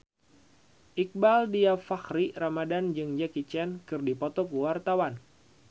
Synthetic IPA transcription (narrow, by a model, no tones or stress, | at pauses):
ʔik̚baldiafaxɾiramadand͡ʒɨŋd͡ʒakit͡ʃɛnkɨrdipɔt̪ɔkuwart̪awan